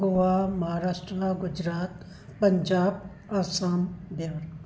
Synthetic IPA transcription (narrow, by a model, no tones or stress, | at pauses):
ɡoʋamɐɦaːɾaːʃʈɾaɡʊd͡ʒɾaːt̪ | pɐɲd͡ʒaːb | aːsaːmd̪eʋəɾ